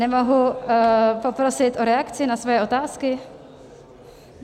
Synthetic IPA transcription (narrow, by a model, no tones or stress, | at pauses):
nɛmo̞ɦu | popɾosɪt̪ʔoɾɛakt͡sɪnasvojɛʔo̞t̪aːskɪ